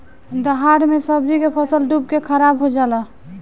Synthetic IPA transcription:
d̪əɦaɾmesəbd͡ʒikepʰəsəlɖubkekʰəɾabɦod͡ʒalə

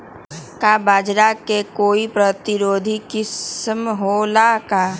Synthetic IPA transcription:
kabaːd͡ʒɾakekoːipɾət̪ɪɾoːd̪ʱikɪsmɦolaka

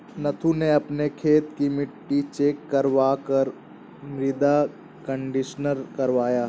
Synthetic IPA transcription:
nɐt̪ʰuneɐpnekʰeːt̪kimɪʈːit͡ʃeːkːəɾʋaːkəɾ | mɾɪd̪a | kə̃ɳɖɪʃnəɾkɐɾʋaːjaː

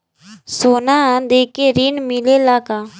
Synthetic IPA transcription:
soːnãːd̪eːkeːɾiːnmɪleːlaːkaː

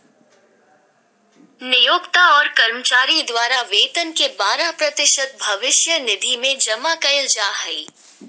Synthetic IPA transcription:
nɪjoːɡt̪aɔːɾkɐɾmət͡ʃaːɾid̪waːɾaʋeːt̪ənkebaːɾapɾɐt̪ɪʃət̪̚bʱɐʋɪʃjənɪd̪ʱimẽd͡ʒɐmakɐjld͡ʒaːɦɐiː

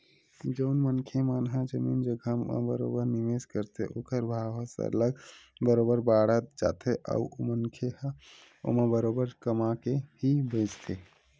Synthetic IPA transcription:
d͡ʒəʊnmənkʰemanɦəd͡ʒəmiːnd͡ʒəɡʱəmə̰̃bə̰ɾo̰bəɾniʋeskəɾt̪ʰeʔo̰kəɾbʱaʋəsə̰ləɡbəɾobəɾbaɽət̪̚d͡ʒa̰t̪eʔa̰uo̰mənkʰeh | o̰mabəɾobəɾkəmakeɦibəd͡ʒt̪ʰe

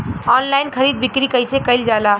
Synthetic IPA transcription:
ɔːnlaːɪnkʰɐɾiːd̪̚bɪkɾikɐɪsekɐɪld͡ʒaːlaː

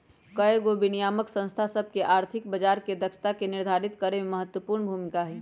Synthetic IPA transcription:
kəjeɡobinijaːməksə̃ñst̪ʰasəb̚ʱkeʔaːɾt̪ʰɪkbəd͡ʒaːɾked̪əkʃt̪akenɪɾd̪ʱaːɾɪt̪kəɾemẽməɦət̪wəpuɾɳbʱumɪkaɦɛ

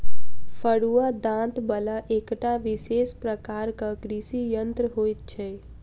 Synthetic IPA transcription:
pʰəɽuad̪ãt̪bəlaʔekʈaʋisespɾəkaɾkakɾisijənt̪ɾəɦojt̪̚t͡ʃʰɛ

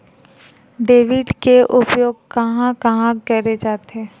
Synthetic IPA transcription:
ɖeːʋɪɖkeʔʊpjoːɡ̚kɐɦãkɐɦãɡkɛːɾed͡ʒaːt̪ɦɛː

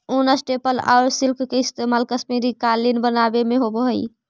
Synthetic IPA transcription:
unəsʈepəla̰ʊɾsilkʰkeist̪emalkəsmiɾikalinbənabemeɦobəɦəj

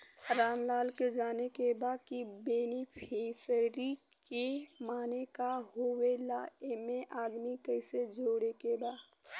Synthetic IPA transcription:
ɾaːnlaːlked͡ʒaːnekebakibeːnipʰesəɾi | kemaːnekaɦowelaemẽʔaːd̪mikəɪsed͡ʒoːɽekeba

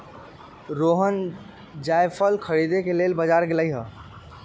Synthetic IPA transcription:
ɾoɦən | d͡ʒajpʰəlkʰəɽid̪ekelelbəd͡ʒaɾɡeləjɦə

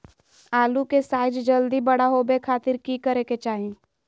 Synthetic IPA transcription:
aːlukesaːɪd͡ʒd͡ʒɐld̪ibɐɽaɦoːbekʰaːt̪ɪɾkiːkəɾeket͡ʃaːɦẽː

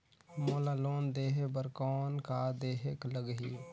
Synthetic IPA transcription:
moːlaloːnd̪eːɦebəɾkɔːnkaːd̪eːɦekləɡɦi

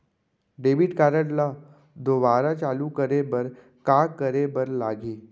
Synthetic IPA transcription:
ɖeʋiʈkaɾəʈla | d̪ʱoʋaɾat͡ɕalukəɾebəɾ | kakəɾebəɾlaɡiː

